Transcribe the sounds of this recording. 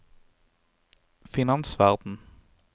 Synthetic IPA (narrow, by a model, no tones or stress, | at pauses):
fɪnɑnsʋæʁd̪n̩